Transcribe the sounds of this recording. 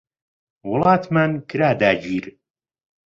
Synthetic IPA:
wʊlˠɑːt̪ʰmankʰɨɾaːd̪aːd͡ʒiːɾ

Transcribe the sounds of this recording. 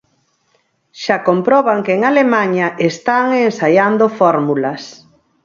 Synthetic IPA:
ʃakompɾɔβ̞aŋkeŋalemaɲaʔest̪aŋensajand̪ofɔɾmulɐs

